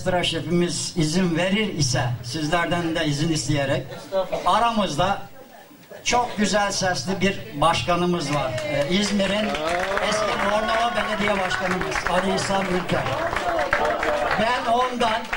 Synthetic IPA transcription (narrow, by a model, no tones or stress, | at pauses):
st̪ɾaʃefimizizinve̞ɾiɾisɛsizlʲæɾd̪ænd̪ɛizinist̪ʰijeɾɛc̚aɾamɯzd̪a | t͡ʃʰok̚ɟyzælʲsɛslʲibiɾbaʃkanɯmɯzvˠaɾizmiɾinɛsciboɾnamabened̪ijɛbaʃkanɯmɯz̥ad̪iisanylʲcʰaɾ | bænond̪an